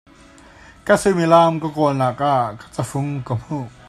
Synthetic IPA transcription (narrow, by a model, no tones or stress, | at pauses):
kasɯmilaːmkɔkɔːnlakʼakḁt͡safuŋkɔm̥hu